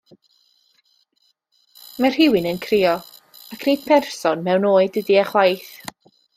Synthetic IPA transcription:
mɛr̥ɦɪwɪnənkʰrɪɔ | akʰned̥̚pʰɛrsɔnmɛwnoːɨdədiaχwajθ

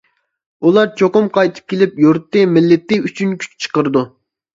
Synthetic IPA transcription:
ulˠɑɾt͡ʃʰoqʊmqʰɑjt̪ʰɨ̥p̚kʲelɪpjuɾt̪ːɨmɪlːɪt̪ːɪyt͡ʃʰynkʲʰy̥t͡ʃt͡ʃʰə̥qəɾɨd̪u

